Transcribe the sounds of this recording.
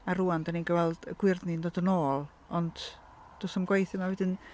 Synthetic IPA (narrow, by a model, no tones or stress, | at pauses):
aruːandaninɡəvɛlˠd̥əɡ̥wɪrðnindodənoːlˠ | ɔnd̥ | d̥osəmɡwejθɪmavɛdɪn